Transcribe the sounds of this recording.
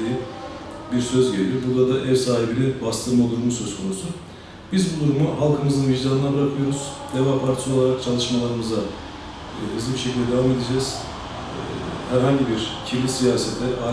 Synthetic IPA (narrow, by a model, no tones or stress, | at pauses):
iji | biɾsø̞zɟelʲijoɾbuɾd̪ad̪aʔɛɾsaːɦibilʲɛbast̪ʰɯmolˠuɾmusø̞z̥kʰo̞nusu | b̥izbud̪uɾumuɦalˠkʰɯmɯzɯnviʒd̪aːnɯnabɯɾakʰɯjo̞ɾuz̥d̪evapʰaɾt̪ʰso̞lˠaɾak̚t͡ʃʰalˠɯʃmalˠaɾɯmɯza | ɯzlibiʃecʰilʲd̪ʲɛd̪evame̞d̪id͡ʒɛːz̥ | hæɾɦaɲɟibiɾcʰiɾlʲisijaːsɛt̪ʰlʲɛɾa